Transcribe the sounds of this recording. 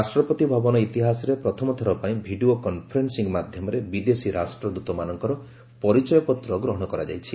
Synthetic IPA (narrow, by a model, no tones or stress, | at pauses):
asʈɾɔpɔt̪ibʱabɔnɔit̪iɦasɔɾepɾɔt̪ʰɔmɔt̪ʰɔɾɔpaĩbʱiɖiokɔnpʰɔɾensiŋmad̪ʱjɔmɔɾebid̪esiɾʔasʈɾɔd̪ut̪ɔmanɔŋkɔɾɔ | pɔɾit͡ʃɔjɔpɔt̪ɾɔɡɾɔɦɔɽ̃ɔkɔɾa̰d͡ʒa̰jt͡ʃʰi